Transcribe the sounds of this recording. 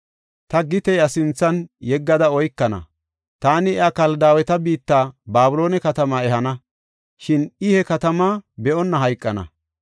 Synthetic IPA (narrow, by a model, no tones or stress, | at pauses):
t̪ɐɡɪt̪ɛjɐsɪnt͡sːɐnjɛɡːɐd̪ɐɔjkːɐnɐ̰ | t̪aːnɪɛakɐld̪aːwɛt̪ɐbiːt̪ːaːbaːbʊloːnɛkɐt̪ɐmaːɛɦɐnɐ | ʃɪnɪhɛkɐt̪ɐmaːbɛʔɔnːɐɦɐjkʼːɐnɐ̰